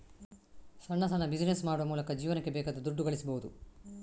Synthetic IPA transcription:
sɐɳːɐsɐnːɐbid͡ʒinesmaːɽuʋɐmuːlɐkɐd͡ʒiːʋɐnɐkːebɛːkɐd̪ud̪uɖːuɡɐɭisɐbɐʋud̪u

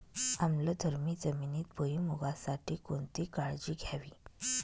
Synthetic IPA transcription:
amləd̪ʱəɾmiːd͡zəminiːt̪̚bəimuɡasaʈʰiːkoɳt̪iːkaɭd͡ʑiːɡʱjaʋiː

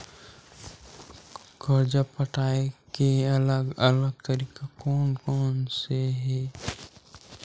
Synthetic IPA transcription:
ɡɔɾd͡ʒapəʈʰaːekeɐləɡələɡ̚t̪əɾiːkakɔːnkɔːnseɦɛː

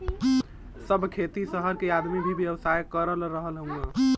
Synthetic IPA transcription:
səbkʰet̪isəɦəɾkead̪mibʱibʱjəʋsaːjkəɾəlɾəɦəlɦəũɡã

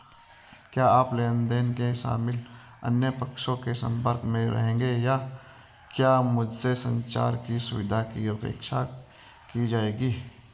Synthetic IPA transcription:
kjaːaːpleːənd̪eːnkeʃa̰ːmɪl | ə̰njəpəkʃõkesə̰̃mpəɾkmẽɾə̰ɦẽːŋɡejaː | kjaːmʊd͡ʒsesə̃nt͡ʃa̰ːɾkisʊ̰ʋɪd̪ʱakiəpḛːkʃa | kid͡ʒaːeːɡiː

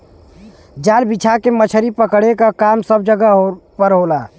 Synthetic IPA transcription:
d͡ʒaːlbit͡ʃʰakemət͡ʃʰəɾipəkɽ̤ekakamsəb̚d͡ʒəɡaɦpəɾɦola

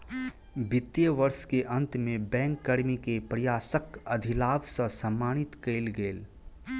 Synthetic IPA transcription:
bɪt̪ːjəʋəɾʃkeʔɐ̃nt̪mẽbɛ̃ːŋkːəɾmikepɾjaːsəkɐd̪ʱɪlaːbsəsɐ̃mːaːnɪt̪keɪlɡeːl

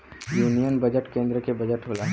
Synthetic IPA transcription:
juːnijənbɐd͡ʒəʈkẽːnd̪ɾəkebɐd͡ʒəʈɦoːlaː

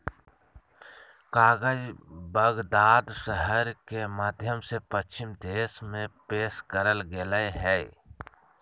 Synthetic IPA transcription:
kaːɡəd͡ʒbəɡd̪aːd̪ʃəɦəɾkemaːd̪ʱjəmsepət͡ʃt͡ʃɪmd̪eːsmẽpeːʃkəɾəlɡeləɦɛː

